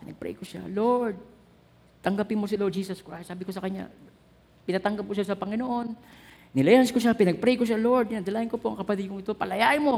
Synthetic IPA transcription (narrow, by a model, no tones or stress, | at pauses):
pɪnɐɡ̚pɾɛ̰jkoʃa̰loɹd̪̚ | t̪ɐŋɡapɪnmos̬ɪloɾd͡ʒiːsoskɹajst̪saːbɪkosɐkɐɲɲa̰ | pɪnat̪ɐŋɡap̚koʃasɐpɐŋɪnoʔo̞n | nɪlɐjanskoʃ̬apɪnɐɡ̚pɾɛjɡkoʃ̬aloɹd̪̚ɪnɐd̪ɐlajɪnkopoʔɐŋkɐpɐt̪ɪd̪̚koŋɪt̪o̞pɐlɐjaʔɪnmo